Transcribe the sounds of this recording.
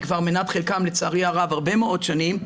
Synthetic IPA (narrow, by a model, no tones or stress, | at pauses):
kvaʁmenat̪χelkamlet͡saʁiaʁavaʁbemeo̞tʃanim